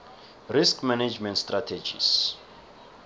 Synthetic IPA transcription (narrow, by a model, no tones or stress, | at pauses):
riskʰmaned͡ʒmɛ̃ntstratʰed͡ʒḭs